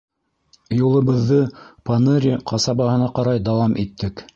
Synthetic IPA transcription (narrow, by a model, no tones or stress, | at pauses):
julˠɤ̆βɤ̆ðːɤpanɤɾʲiqʰɑsɑbɑɦɤ̆nɑqɑɾɑjd̪ɑwɑmʔit̪ːɘk